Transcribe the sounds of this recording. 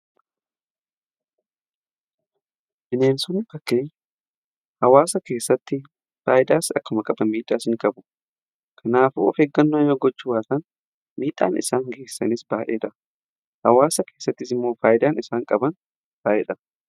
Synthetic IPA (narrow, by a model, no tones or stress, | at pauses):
ʔɪneːnsʊnːfɐkːe̞ːɲː | hɐwaːsɐke̞ːsːɐt̪ːɪ | faːʔɪd̪aːsɐkːʊmɐkʼɐbɐnmiːᶑʼaːsɪŋkʼɐbʊ̥ | kʰɐnaːfuɔfeːɡːɐnːjoːɡɔt͡ʃːʊwaːt̪ɐn | miːᶑʼa̰ːnɪ̰saːŋɡe̞ːsːɐ̰nɪsbaːʔeːᶑɐ | hɐwaːsɐke̞ːsːɐt̪ːɪsɪmːo̞ːfaːjɪd̪aːnɪsaːŋkʼɐbɐn | b̥aːʔɛᶑɐ